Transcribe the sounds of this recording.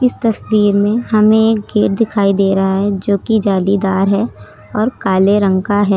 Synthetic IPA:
ɪst̪ɐswiːɾmẽɦɐmẽeːk̚ɡeːɾ̚d̪ɪkʰaːid̪eːɾɐɦaɦɛd͡ʒoːkid͡ʒaːlid̪aːɾɦɛ | ɔːɾkaːleɾə̃ŋkaɦɛː

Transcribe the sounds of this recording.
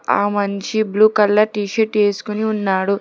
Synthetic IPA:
a̰ːmɐɲt͡ʃibluːkɐlːɐʈiːʃɐʈeːsu̥kuniunːaːɽu

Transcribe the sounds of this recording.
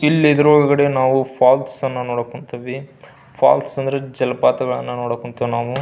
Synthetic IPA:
ilːiid̪ɐɾuoɭɡɐɽe̞naːʋupʰaːlʈsɐnːɐnoːɽokːoɳt̪ɐʋi | pʰa̰ːlsɐnd̪ɐɾed͡ʒɛlɐpaːt̪ɐɡɐɭɐnːɐnoːɽokːoɳt̪ɐʋnaːʋu

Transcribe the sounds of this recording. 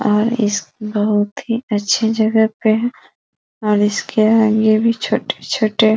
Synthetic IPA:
ɔːɾɪ̰skbəɦʊt̪ɦiɐtːʃʰed͡ʒɐɡəpe | ɔːɾɪskeaːɡebʱit͡ʃʰoːʈe̥t͡ʃʰoːʈe

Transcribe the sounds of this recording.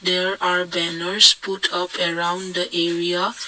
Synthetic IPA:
d̪ɛɹaɹbɛnəɹsputʰʌpʰəɹãʊ̃nd̪əʔɛɹia

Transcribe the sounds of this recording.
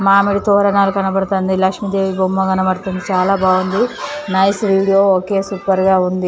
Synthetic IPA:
maːmiɽit̪ɔːɾɐnaːlukɐnɐbɐɽt̪ond̪ilɐkʂmid̪e̞ːʋibomːɐɡɐnɐbɐɾt̪ɐnd̪it͡ʃaːlaːbaːʋɐnd̪inɐjsʋiːɽijoːoːke̞ːsupɐɾɡaːund̪i

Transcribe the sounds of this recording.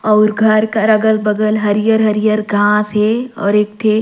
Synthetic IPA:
ɔʊɾɡʱɐɾkaɾəɡəlbəɡəlɦəɾijəɾɦəɾjəɾɡʱãːsɦeɔ̰ːɾeːkʈʰe

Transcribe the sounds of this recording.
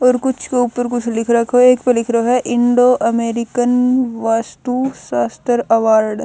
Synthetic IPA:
ɔːɾkʊt͡ʃʰkeʊpːəɾkʊt͡ʃʰlɪkʰɾɐkʰoeːkpɐlɪkʰɾɐɦoɦɛʔɪ̃ɳɖoːʔɐmeːɾɪkənʋaːst̪uːʃaːst̪əɾɐʋaːɾɖ

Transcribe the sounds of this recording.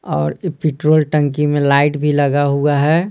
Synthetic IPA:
ɔ̰ːɾpɪʈɾoːlʈə̃ŋkimẽlaːɪʈbʱiləɡaɦuaɦɛː

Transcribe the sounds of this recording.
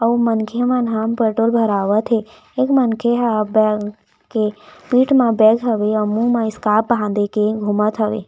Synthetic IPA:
əumənkʰemãnɦampəʈolbʱəɾaʋət̪ʰe | ekmənkʰeɦabɛ | kepiːʈmãbɛɡɦəʋeəmũmãiskaːp̚bãnd̪ekeɡʱumət̪ʰɦəʋḛ

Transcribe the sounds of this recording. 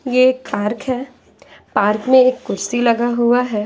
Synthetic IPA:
jeeːk̚paːɾkɦɛː | paːɾkmẽeːkːʊɾsilɐɡaɦuaɦɛː

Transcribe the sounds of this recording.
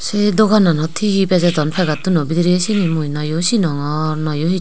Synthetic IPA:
sedɔɡananɔt̪ʰihibezadɔnpʰaɡat̪unɔbid̪iɾiesinimujnajɔsinɔŋɔnajɔhi

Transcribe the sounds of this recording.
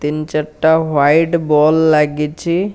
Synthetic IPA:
t̪int͡ʃəʈːawajɖbɔlːaɡit͡ʃʰi

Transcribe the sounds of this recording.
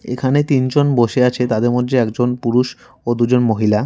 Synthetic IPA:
ḛkʰanet̪ind͡ʑonboʃeat͡ɕʰet̪ad̪eɾmod̪ʱːeɛkd͡ʑonpuɾuʃ | od̪ud͡ʑonmoɦila

